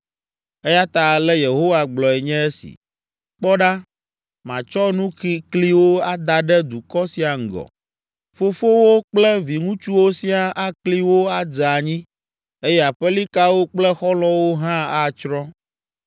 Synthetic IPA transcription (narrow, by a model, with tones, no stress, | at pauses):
e˦ja˦t̪a˨lɛ˦je˨ɦo˦wa˨ɡ͡blɔ˨ɛ˨ɲɛ̃˦e˦sḭ˨ | k͡pɔ˦ɖa˦ | mã˨t͡ʃɔ˦nũ˦xi˦kli˦wo˦a˦d̪a˨ɖɛ˦d̪u˨kɔ˦si˦a˨ŋ̩˨ɡɔ̰˨ | fo˦fo˦wo˦k͡plɛ˦vi˨ŋũ˦t͡ʃu˦wo˦si˦a˨ʔa˦kli˦wo˦a˦d͡za˨ɲĩ˦ | e˦jɛ˦a˨ɸɛ˦li˦ka˦wo˦k͡plɛ˦xɔ˦lɔ̃˦wo˦ɦã˦a˦t͡ʃɾɔ̃˦